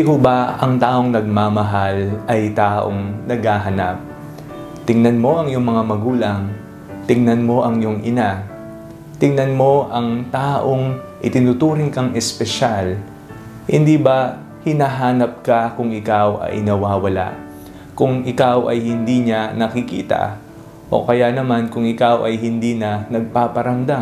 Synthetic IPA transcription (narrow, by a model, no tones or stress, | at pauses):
kobɐɐŋt̪aːʔo̞ŋnɐɡ̚mamɐɦalʔɐjt̪aːʔo̰ŋnɐɡ̚haːɦɐnap̚ | t̪ɪŋnɐnmo̞ʔɐŋjʊŋmɐŋamɐɡuːlɐŋ | t̪ɪŋnɐnmo̞ʔɐŋjʊŋʔɪna | t̪ɪŋnɐnmo̞ʔɐŋt̪aːʔoŋ | ʔɪt̪ɪnut̪uːɾɪŋkɐŋʔɛspɛʃal | hɪ̰nd̪iːbɐ | hɪnaːɦaːnɐp̚kɐkʊŋɪkawʔɐ̰jnɐwaːwɐla̰ʔ | kʊŋɪkawʔɐjhɪnd̪iːɲanɐkɪkḭːt̪ɐ̰ | ʔo̞̰kɐjanɐmankʊŋɪkawʔɐjɦɪnd̪iːnɐnɐɡ̚paːpɐɾɐmd̪a